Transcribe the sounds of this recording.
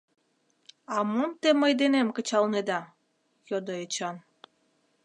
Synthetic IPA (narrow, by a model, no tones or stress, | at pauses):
ɑmumt̪eməjd̪enemkət͡ɕɑlned̪ɑ | jod̪oet͡ɕɑn